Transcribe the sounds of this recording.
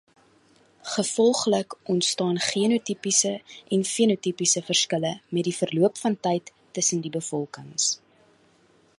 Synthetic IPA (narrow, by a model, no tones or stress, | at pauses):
χəfɔlˠχləkʔɔntstɑːnχiənutipisəʔɛnfiənutipisəfərskələmɛt̚difərluəpfɐntɛjtːəsəndibəfɔlˠkəŋs